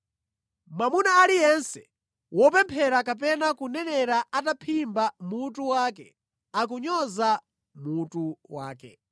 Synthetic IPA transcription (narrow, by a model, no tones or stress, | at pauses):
mamunaːlijɛnsɛ | wɔpɛmpʰɛɾakap̬ɛnakunɛnɛɾaatapʰimbamutuwaːk̬ɛ | ak̬uɲɔza | mutuwa̰ːkɛ